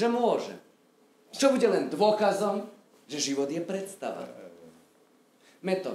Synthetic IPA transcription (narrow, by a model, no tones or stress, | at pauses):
ʒɛmʊɔʒɛ̰ | t͡ʃɔbuɟɛlɛnd̪ʋʊɔkazɔm | ʒɛʒiʋɔd̪jɛpɾɛt̪st̪a̰ʋa̰ | mɛt̪ɔ̰